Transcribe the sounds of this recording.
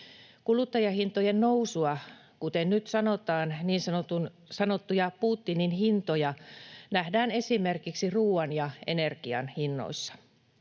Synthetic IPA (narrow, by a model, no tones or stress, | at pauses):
kulut̪ːɑjɑhint̪ojennousuɑ | kut̪ennyt̪sɑnot̪ɑːnniːnsɑot̪un | sɑnot̪ːujɑpuːt̪ːininhint̪ojɑnæhdæːnesimerkiksiruːɑnjɑenerkiɑ̰nhinːo̰isːɑ̥